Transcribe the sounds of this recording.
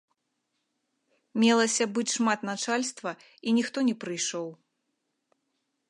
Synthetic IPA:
mʲɛlˠɐsʲɐbɨt͡sʲʂmat̪nat͡ʂalʲst̪vɐ | inʲixt̪ɔnʲɛpɾɨjʂɔw

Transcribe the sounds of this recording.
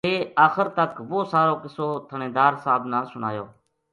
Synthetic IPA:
eːaːxəɾt̪əkʋoːsaːɾoːkɪsoːt̪ʰənẽːd̪aːɾsaːbnãːsʊna̰ːjo̰ː

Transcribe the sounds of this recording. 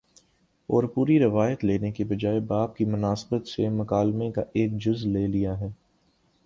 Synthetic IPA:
ɔːɾpuːɾiɾɐʋaːjət̪leːnekebɐd͡ʒaːebaːb̚kimʊnaːsbət̪semɐkaːlmẽkaʔeːkd͡ʒʊzleːlijaɦɛː

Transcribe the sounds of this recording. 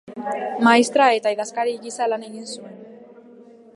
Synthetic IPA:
maist̪ɾae̞t̪aiðaskaɾiɣisalane̞ɣinsue̞n

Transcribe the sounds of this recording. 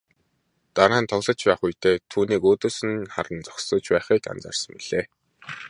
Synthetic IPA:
t̪aɾaːnt̪ʰɔɣɮə̆t͡ɕpæːχujt̪ʰeːt̪ʰuːniːkoːt̪oːsɘ̆nχa̰ɾə̆nt͡sɔksə̆t͡ɕpæːχiːka̰nt͡sa̰rsə̆mpiɮ̥eː

